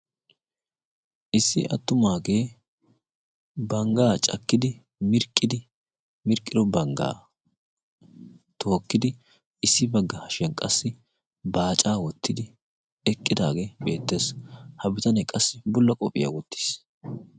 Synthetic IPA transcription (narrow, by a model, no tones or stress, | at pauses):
ʔɪsːɪʔɐ̰t̪ːʊmaːɡe̞ː | bɐŋɡaːt͡ʃʼɐ̰kːɪd̪ɪ | mɪɾkʼːɪd̪ɪ | mɪɾkʼːɪd̪ɔbɐŋɡa̰ː | t̪ʰo̞ːkːɪd̪ɪ | ɪsːɪbɐɡːɐhɐʃɛnkʼɐsːɪ | baːt͡ʃʼaːwɔt̪ːɪd̪ɪ | ɛkʼːɪd̪a̰ːɡe̞ːbe̞ːt̪ːe̞ːshɐbɪt̪ɐnɛkʼɐsːɪbʊlːɐkʼɔpʼɪ̰ja̰wɔt̪ːi̥s